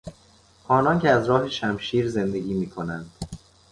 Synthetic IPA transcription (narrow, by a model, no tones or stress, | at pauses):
hɒːnɒncʰeæzɾɒːɦe̞ʃæmʃiːɾze̞nd̪e̞ɡʲiːmiːkʰo̞nænd̪̥